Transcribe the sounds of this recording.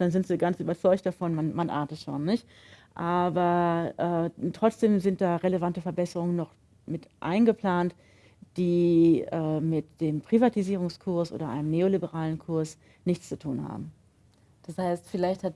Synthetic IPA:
d̥anzɪntv̥iːɐɡant͡sʔyːbɐt͡sɔʏçt̚d̥afɔnmanmanʔa̰ːɐtətʃo̰ːnːɪçt | ʔaːbɐʔɛːtʁ̥ɔt͡sd̥eːmzɪnt̚d̥aːʁeləvantəfɛɐbɛsəʁʊŋənːɔχ | mɪtʔa̰ɪnɡəpl̥aːnt | d̥iːʔɛːmɪtd̥eːmpʁ̥ivatiziːʁ̞ʊŋskʰʊɐsʔo̰ːdɐʔa̰ɪnəmneːolibəʁaːlənkʰʊɐs | nɪçt͡st͡su̥tʰuːnha̰ːbm̩ | d̥ashaɪstfɪlaɪçthat

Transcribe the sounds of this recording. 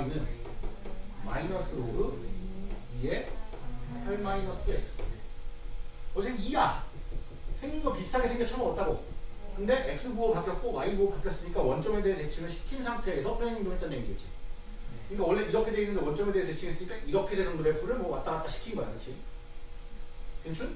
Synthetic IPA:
inɯn | ma̰inʌs͈ɯoɡɯ | ie | pʰaɭmainʌs͈ɯḛk̚s͈ɯe | ʌd͡ʑʰenia | sʰe̞ŋinɡʌpistʰaɡesʰe̞ŋɡjʌkt͡ɕʰʌnɯmʌt͈̚aɡokɯnde̞ʔek̚s͈ɯbuʌkak͈jʌt̚k͈omainbuokak͈jʌs͈ɯɲik͈awʌnt͡ɕ͈ʌme̞deɦet͡ɕe̞t͡ɕʰiɡɯɭɕʰi̥kʰinsʰaŋtʰe̞ːsʰʌpʰeeŋiŋdoŋɦet͈aneŋiɡet̚t͡ɕ͈i̥ | kɯik͈awʌɭːe̞ʔiɾʌkʰedeinːɯndewʌnt͡ɕ͈ʌme̞de̞ɦet͡ɕe̞t͡ɕʰiɡes͈ɯɲik͈aʔiɾʌkʰedenɯndoɾepʰuɾɯɭmʌwat͈ʌɾat͈̚aɕʰi̥kʰinɡʌa̰ʌt͡ɕʰi | keŋt͡ɕʰun

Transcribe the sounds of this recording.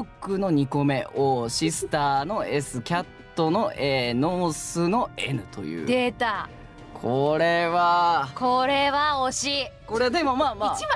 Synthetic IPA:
okːɯ̟no̞ɲ̟iko̞me̞ʔoːɕisɨ̥t̪aːno̞e̞sɨkʲat̪ːo̞no̞ʔeːno̞ːsɨno̞enɯ̟t̪o̞̰jɯ̟̰ːd̪et̪a | kʰoɾe̞βakoɾe̞βaoɕiko̞ɾed̪e̞momaːmaia

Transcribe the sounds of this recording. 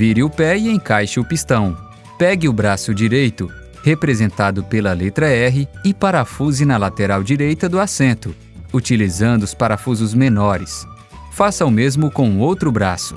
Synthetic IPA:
viɾɪʊpɛɪẽj̃kajʃɪʊpist̪ɐ̃w̃ | pɛɡɪʊbɾasʊd͡ʒiɾejt̪ʊ | hepɾezẽnt̪ad̪ʊpelɐlet̪ɾɐɛɦɪɪpaɾafuzɪnɐlat̪eɾawd͡ʒiɾejt̪ɐd̪ʊasẽnt̪ʊ | ut͡ʃilizɐ̃nd̪ʊspaɾafuzʊzmenɔɾɪs | fasawmezmʊkõũowt̪ɾʊbɾasʊ̥

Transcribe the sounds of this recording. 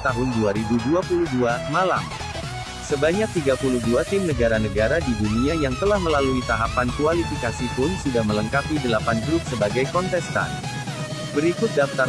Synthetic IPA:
t̪aɦʊnduaɾibuduapuluhduamalam | səbaɲak̚t̪iɡapuluhduat̪ɪmnəɡaɾanəɡaɾadiduniajaŋt̪əlahməlaluit̪aɦapankualifikasipʊnsudahmələŋkapidəlapandɾʊk̚səbaɡajkɔnt̪ɛst̪a̰n | bəɾikʊt̪̚daft̪a

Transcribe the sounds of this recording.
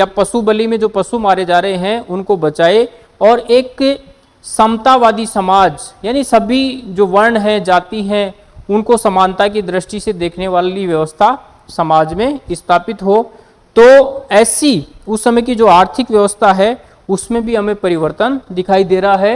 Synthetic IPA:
japɐsubəlimẽd͡ʒoːpɐsumaːɾed͡ʒaːɾəɦeɦɛ̃ʔʊnkobɐt͡ʃaːe | ɔːɾeːk | səmt̪aʋaːd̪isɐmaːd͡ʒjaːnisɐbʱid͡ʒoːʋɐɾɳɦɛ̃d͡ʒaːt̪iɦɛ̃ | ʊnkosɐmaːnt̪ak̬id̪ɾɪʃʈised̪eːkʰneʋaːliʋjɐʋəst̪ʰa | sɐmaːd͡ʒmẽɪst̪ʰaːpɪt̪ɦo | t̪oːɛːsiʊsːɐməjk̬id͡ʒoːaːɾt̪ʰɪkʋjɐʋəst̪ʰaɦɛ | ʊsmẽbʱiɦɐmẽpɐɾɪʋəɾt̪ənd̪ɪkʰaːid̪eːɾɦaɦɛː

